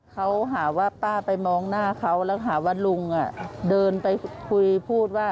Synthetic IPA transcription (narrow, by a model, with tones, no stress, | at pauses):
kʰa˦˥wɦaː˩˦waː˧˥˩paː˥˩pa˧jmɔː˧ŋnaː˥˩kʰa˦˥˩wlɛː˧˥˩ɦaː˩˦waː˥˩lu˧ŋʔa˨˧˩dɤː˧npa˧jkʰu˧jpʰuː˥˩t̪̚waː˥˩